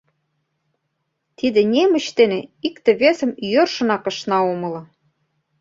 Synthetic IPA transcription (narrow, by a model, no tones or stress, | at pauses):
t̪id̪ĕnʲemə̆t͡ɕt̪enĕikt̪ĕβesə̆mjørʃɤ̆nɑkɤ̆ʃnɑomɤ̆lɤ̆